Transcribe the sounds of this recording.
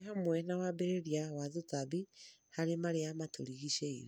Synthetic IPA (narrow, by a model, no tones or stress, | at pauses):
hamwɛnawabeɾeɾiawaðutabihaɾemaɾeamatʰoɾiɣiʃeiɾ